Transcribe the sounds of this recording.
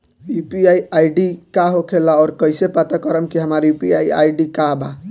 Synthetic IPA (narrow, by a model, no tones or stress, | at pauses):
upiajajɖikaɦokʰelaɔːɾkəjsepat̪akəɾəmkiɦəmaɾipiaja̰jɖikaba